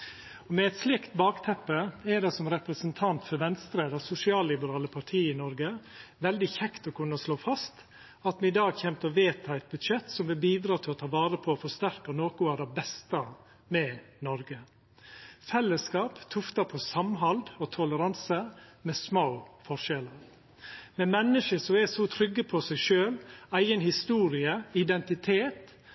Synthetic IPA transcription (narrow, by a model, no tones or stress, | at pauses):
ɔmɛɛt̪slɪkt̪bɑːkt̪ʰɛpːəɛɖɛsɔmɾɛpɾəsənt̪ʰɑnt̪fɔɾʋɛnst̪ɾeːd̪ɑsʊsɪɑːlːɪbəɾɑːləpʰɑʈʰiːɪnɔɾɡəʋɛld̪ɪçɛkt̪ɔkʰʉnːəsloːfɑst̪ | ɑt̪mɛɪd̪ɑːɡçɛmt̪əɔʋeːt̪ʰɑɛt̪̚bʉd̪ʂɛt̪sɔmʋɪlbiːd̪ɾɑːt̪ʰɪlɔt̪ʰɑːʋɑːɾəpʰɔːfɔʂt̪æɾkənoːkʊæɖ̪ɛbɛst̪ə | mɛnɔɾɡə | fɛlːəskɑːpt̪ʰʊft̪ɑpʰɔsɑmɦɑld̪ɔt̪ʰɔləɾɑnsəmɛsmoʊfɔʂɛləɾ | mɛmɛnːəʃəsɔɛsɔt̪ʰɾʏɡːəpʰɔsæɪʂøːlæɪɡənhɪst̪uːɾɪəɪd̪ɛnt̪ɪt̪ʰeːt̪